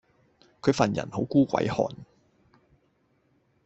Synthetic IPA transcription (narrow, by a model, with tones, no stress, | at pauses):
kʰɵ˨˧ɥfɐ˨˩njɐ̰˨˩nho˨˥wkuː˥kʷɐ̰˨˥jhɔ̰ː˨n